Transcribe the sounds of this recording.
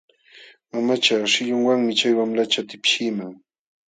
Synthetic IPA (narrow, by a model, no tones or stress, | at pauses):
mamat͡ʃaʃɪʎʊŋwaŋmɪt͡ʃajwamlat͡ʃat̪ɪpʃɪmaŋ